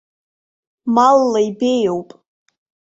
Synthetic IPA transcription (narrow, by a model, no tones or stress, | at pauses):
malːaibejowpʼ